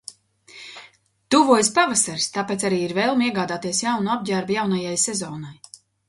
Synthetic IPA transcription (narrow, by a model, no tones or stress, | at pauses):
t̪uvuɔjspavasaɾst̪apet̪aɾiːiɾvɛːlˠmiɛɡaːd̪aːt̪iɛsjawnuab̚ɟaɾbjawnajajsɛzɔːnaj